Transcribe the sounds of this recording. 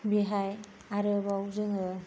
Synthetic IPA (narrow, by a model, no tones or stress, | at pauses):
biɦaj | aɾɯbawzɯŋɯ